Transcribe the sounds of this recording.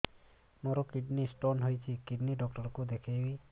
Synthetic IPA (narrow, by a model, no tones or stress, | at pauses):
moɾɔkiɖnisʈonɦojt͡ʃʰikiɖniɖɔk̚ʈɔɾkud̪ekʰibi